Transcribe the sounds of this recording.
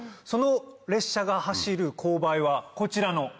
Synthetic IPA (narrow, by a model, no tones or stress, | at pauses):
so̞no̞ɾe̞ɕːaɡahaɕiɾɯ̟kʰo̞ːbaiβako̞t͡ɕiɾano̞